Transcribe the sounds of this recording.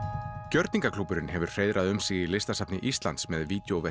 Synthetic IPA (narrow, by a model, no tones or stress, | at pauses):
cœɾt̪niŋkakʰlupːʏɾɪnhɛvʏɾ̥r̥ejðɾʔaðʏmsiːɣilɪst̪asap̚nɪʔist̪lant̪smɛðviːt̪jowvɛ